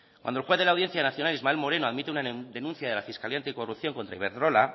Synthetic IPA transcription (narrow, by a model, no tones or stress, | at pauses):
kwand̪olxweðelawðje̞nθjanaθjonalizmaelmo̞ɾe̞noaðmit̪eunad̪e̞nũnθjaðe̞lafiskaliant̪iko̞rupθjo̞ŋko̞nt̪ɾaiβeɾðɾo̞la